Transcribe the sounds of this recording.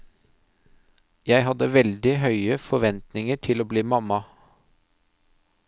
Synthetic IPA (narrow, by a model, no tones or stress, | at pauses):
jæɪɦɑd̪əʋɛld̪ɪɦœʏəfɔʋɛnt̪nɪŋəʈʰɪloːbliːmɑmɑ